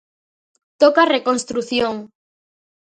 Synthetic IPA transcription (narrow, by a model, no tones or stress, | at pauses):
t̪okarekonst̪ɾuθjoŋ